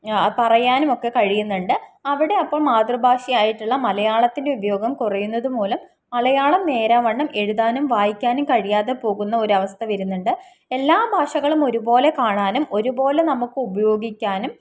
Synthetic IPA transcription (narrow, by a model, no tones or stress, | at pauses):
pɐrɐjaːnumo̞kːe̞kɐɻijunːuɳɖɨɐʋiɽe̞ɐpːoːɭmaːd̪rɨbʱaːʂijaːjiʈːuɭːɐmɐlɐjaːɭɐt̪ːinde̞ubɐjo̞ːɡɐmkurɐjunːɐðupo̞ːlɐm | ɐlɐjaːɭɐmne̞ːɾaʋɐɳːɐme̞ɻuðaːnumʋaːjikʲːaːnumkɐɻijaːðe̞po̞ːɣunːɐoɾɐʋɐst̪ʰɐʋɐɾunːuɳɖɨ | e̞lːaːbʱaːʂɐɣɐɭumo̞ɾubo̞ːle̞kaːɳaːnumo̞ɾubo̞ːlenɐmukːɨubɐjo̞ːɡikʲːaːnum